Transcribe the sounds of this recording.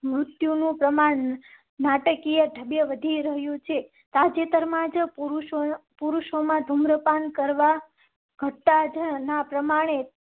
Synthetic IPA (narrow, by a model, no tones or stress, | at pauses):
mɾut̪junũpɾəmaɳ | naʈəkijəɖʱəbjəʋəd̪ʱiɾəɦjũt͡ʃʰe | t̪ad͡ʒet̪əɾmãd͡ʒpuɾuʃopuɾuʃomãd̪ʱumɾəpankəɾʋa | ɡ̥ʱəʈːad͡ʒənapɾəmaɽ̃e